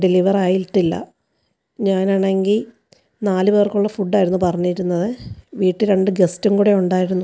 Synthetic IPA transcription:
ɖiliʋɐraːjilʈːilːɐ̰ | ɲaːnaːɳe̞ŋɡil | naːlɨʋeːrkuɭːɐfuɖːaːjiɾunːupɐrɐɲːiɾunːɐðɨʋiːʈːɨɾe̞ɳɖɨɡe̞stuŋkuːɽe̞uɳɖaːjiɾunːu

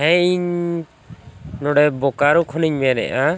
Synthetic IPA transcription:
ɦɛ̃iɲ | nɔɽɛbɔkaɾukʰɔniɲmɛnɛ̰ʔa

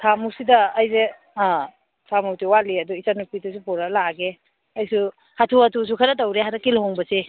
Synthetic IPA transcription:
tʰamusidɐːjze | tʰamutiwaliɐduisanupitus̬upɔɾalaɡe | ɐjsu | hatʰuatus̬ukʰaɾatawɾeɦadakilhɔŋbɐse

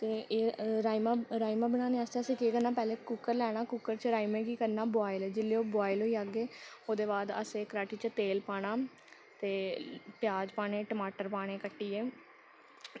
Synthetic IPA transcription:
t̪eːeːɾaːimaːɾaːimaːbəɽ̃aːneːaːst̪eːəsĩːkeːkənaːpɛːleːkukəɾlɛːɽ̃aːkukːəɾt͡ʃɾaːimẽːkiːkəɾnaːboaːɪlɛːd͡ʒɪlːeːoːbaːɪlɦoːiːaɡeːoːd̪eːbaːd̪ə̰seːkəɾaːʈiːt͡ʃət̪eːlpaːɽ̃aː | t̪eːpjaːd͡ʒpaːɽeːʈəmaːʈəɾpaːɽ̃eːkəʈːiːeː

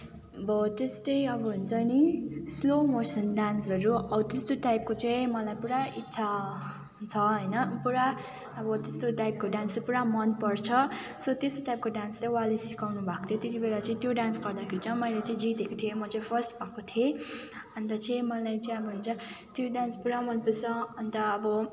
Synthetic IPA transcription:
ʌbʌt̪est̪ʌjʌbʌɦunt͡sʰʌnislomosʌnɖansʌɾuʌbʌt̪est̪oʈajp̚kot͡sʌĩmʌlajpuɾaitːsʰa | t͡sʰʌɦʌjnʌpuɾaː | bʌt̪est̪oʈajp̚koɖanspuɾamʌnpʌrt͡sʰʌ | sʌt̪est̪oʈajp̚koɖanst͡sʌĩwalesikawnubʱakot̪ʰjot̪et̪ibelat͡sʌĩt̪joɖansɡʌrd̪akʰeɾit͡sʰʌmʌjlat͡sʌĩd͡zit̪ekot̪ʰiemʌt͡sʌĩpʰʌsʈbʱakot̪ʰie | ʌnt̪ʌt͡sʰʌ̃jmʌlajt͡sʌĩʌbʌɦunt͡sʰʌ | t̪joɖanspuɾamʌnpʌrt͡sʰʌʌnt̪ʌʌbʌ

